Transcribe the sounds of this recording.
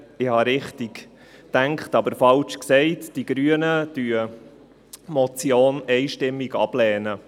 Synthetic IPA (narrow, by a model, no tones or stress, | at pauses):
ɪhɑɾɪχtiɡ̥ | tæŋkχtɑbəɾfɑlt͡ʃksɛɪtd̥iɡ̥ɾyənəd̥yːə | mɔt͡sjoːnɛɪʃtɪmːiɡɑ̰b̥lɛːnə